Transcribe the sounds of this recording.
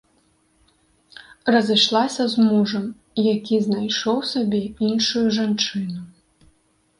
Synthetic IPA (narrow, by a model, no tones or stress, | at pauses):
rɐzɨʂlˠasʲɐzmuʐɐm | jakʲiznajʂɔwsabʲɛinʂujuʐant͡ʂɨnu